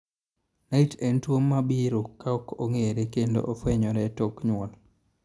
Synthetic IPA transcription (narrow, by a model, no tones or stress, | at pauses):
naitɛntwomːabiɾokːaɔkoŋeɾekendo̰ʔofwɛɲɔɾɛtokɲwɔl